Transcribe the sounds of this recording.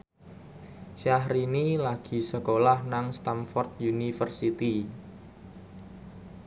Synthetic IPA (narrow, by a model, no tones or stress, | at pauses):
ʃaɦɾinilaɡ̥i̤səkolahnaŋst̪amfɔrt̪̚junifərsit̪i